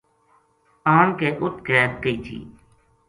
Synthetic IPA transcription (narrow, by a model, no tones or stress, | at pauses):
aːnkeːʔʊt̪̚keːt̪̚kəiːt̪ʰḭː